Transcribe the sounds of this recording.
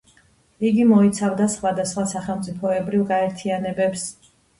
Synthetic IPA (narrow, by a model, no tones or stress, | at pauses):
iɡimɔit̪sʰavd̪asχwad̪asχwasaχɛlˠmt̪sʼipʰɔɛbɾivɡaɛɾt̪ʰianɛbɛps